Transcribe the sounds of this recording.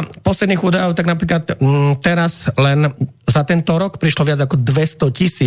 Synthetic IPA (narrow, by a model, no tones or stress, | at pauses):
pɔslɛd̪niːɣuːd̪ajɔʊt̪aɡnapɾiːklat̪t̪ːɛɾazlɛnzat̪ɛnt̪ɔɾɔkpɾiʃlɔʋɪad͡zakɔd̪ʋɛst̪ɔcisiː